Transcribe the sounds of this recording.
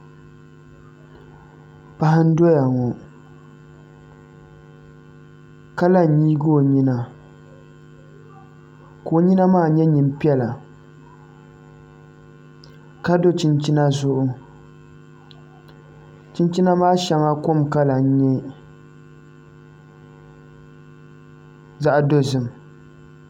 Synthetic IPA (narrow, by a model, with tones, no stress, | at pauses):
pa˨ha˦n̩˦do˦ja˨ŋɔ˨ | ka˦la˦n̩˨ɲiː˦ɡo˨ɲi˦na˨ | ko˨ɲi˦na˦maː˦˨ɲɛ˦ɲi˨m˦pi˦ɛ˦la˨ | ka˦do˦t͡ʃɪ˦nt͡ʃi˦na˦zʊ˦ʔʊ˦ | t͡ʃi˦nt͡ʃi˦na˦maː˦ʃa˦ŋa˦ko˦mka˦la˨n˦ɲɛ˦ | za˦ʔdo˦zɨ˦˨m˨